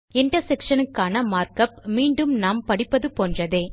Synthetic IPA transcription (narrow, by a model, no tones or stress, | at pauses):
ɛɳʈɐsɛkʂɐnɯkːaːnɐmaːɾkɐp̚miːɳɖɯmnaːmpɐɽɪpːɐðɯpoːndrɐðeː